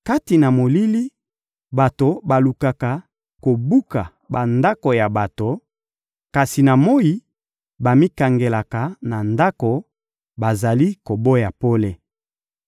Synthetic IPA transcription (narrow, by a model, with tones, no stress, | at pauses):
ka˦ti˨na˨mo˨li˦li˦ | ba˨to˨ba˨lu˨ka˨ka˨ | ko˨bu˦ka˨ | ba˨nda˦ko˨ja˨ba˨to˨ | ka˨si˨na˨mo˦i˦ | ba˨mi˦ka˨ŋɡe˨la˨ka˨na˨nda˦ko˨ | ba˨za˨li˦ko˨bo˦ja˨po˦le˨